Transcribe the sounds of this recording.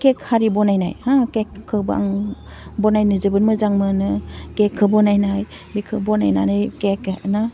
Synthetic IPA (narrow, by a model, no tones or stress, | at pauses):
kekhaɾibɔnajna̰jhãkekʰːɯba̰ŋ | bɔnajnɯzɯbɯnmɯzaŋmɯnɯkekʰːɯbɔnajnaj | bikʰɯbɔna̰jna̰nɯjkekna